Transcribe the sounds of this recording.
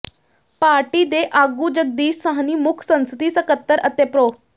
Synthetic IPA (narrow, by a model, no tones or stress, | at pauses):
paːɾʈiːd̪eʔaɡuːd͡ʑəɡ̚d̪iːssaɦaniːmʊkʰsə̃ñst̪iːsəkət̪ːəɾʔət̪epɾoː